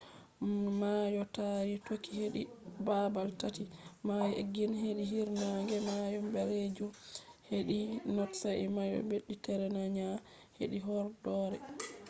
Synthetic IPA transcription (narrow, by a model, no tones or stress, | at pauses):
majɔtaɾitokːiheɗibabaltatimajeɡinheɗiɦiɾnaŋɡɛmajɔmbɛɾed͡ʒumheɗinɔtsaʔimajɔ̰beɗːitɛɾɛnaɲa | heɗiɦɔɾdɔɾɛ̰